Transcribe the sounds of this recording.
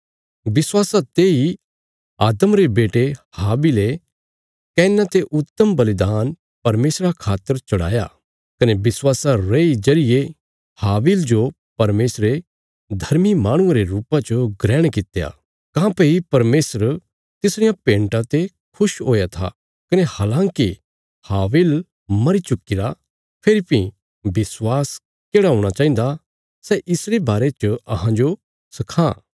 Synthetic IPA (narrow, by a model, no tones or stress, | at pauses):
bɪswaːsat̪eːi | aːd̪əmɾebeːʈehaːbile | kɛ̃ːnãt̪eʔʊt̪ːəmbɐlɪd̪aːn | pɐɾmeːsɾakʰaːt̪ːəɾt͡ʃɐɽa̰ːja̰ | kɐnebɪswaːsaɾɐid͡ʒɐɾɪje | haːbild͡ʒo | pɐɾmeːsɾe | d̪ʱɐɾmimãːɽ̃ʊ̃ãɾeɾuːpãt͡ʃoɡɾɛːɽ̃kɪt̪eja̰ | kãːpeipɐɾmeːsəɾ | t̪ɪsɽɪjãpẽːɳʈãt̪e | kʰʊʃɦoːjat̪ʰa̰ | kɐnehaːlãːŋki | haːʋɪl | mɐɾit͡ʃʊkːɪɾa | pʰeɾipĩ | bɪswaːs | keːɽaɦõːɽ̃at͡ʃaːĩnd̪a | sɛʔɪsɾebaːɾet͡ʃəɐɦãd͡ʒo | sɐkʰã